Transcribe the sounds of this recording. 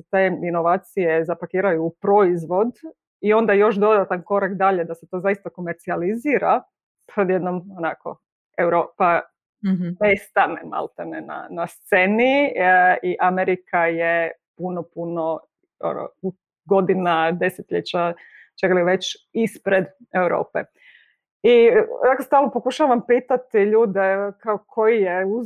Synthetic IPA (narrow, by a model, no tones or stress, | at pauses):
t̪eːino̞ʋaːt̪sijezapakiːɾajuːpɾo̞izʋo̞d̪ | io̞nd̪ajo̞ʃd̪o̞d̪at̪anko̞ɾakd̪aʎe̞d̪aset̪o̞ːzaist̪ako̞meɾt̪sializiːɾa | pɾod̪jed̪nomonako̰ | ewɾoːpa | nest̪anema̰lˠt̪anena̰nast̪seni | iʔameɾikajepunopuno | o̰no̰ | ɡo̞d̪inad̪e̞set̪ʎet͡ɕa | t͡ʃekaliʋe̞t͡ɕispɾed̪ewɾo̰ːpe | inakost̪aːlˠnopo̞kuʃaʋampiːt̪at̪iʎuːd̪ekaokʰo̞jijeuz